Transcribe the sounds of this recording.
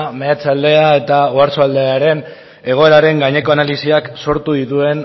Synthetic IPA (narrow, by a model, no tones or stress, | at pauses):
meat͡sald̪e̞ae̞t̪aoaɾsoald̪eaɾe̞n | e̞ɣ̞o̞e̞ɾaɾe̞ŋɡaɲe̞ko̞analisiakso̞ɾt̪uðit̪ue̞n